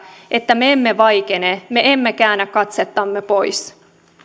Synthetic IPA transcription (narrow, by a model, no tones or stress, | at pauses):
ʔet̪ːæmeemːeʋɑjk̟eneme̞emːekæːnːækkɑt̪set̪ːɑmːepo̞js